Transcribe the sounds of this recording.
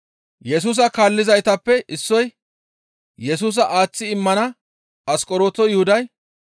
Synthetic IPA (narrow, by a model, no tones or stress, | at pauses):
jɛs̬uːs̬ɐkaːlːɪzɐjt̪ɐpːɛʔɪsːɔj | jɛsuːs̬ɐʔaːt͡sːɪɪmːɐnɐ | ɐskʼɔɾo̞ːt̪ɔjʊhʊd̪ɐj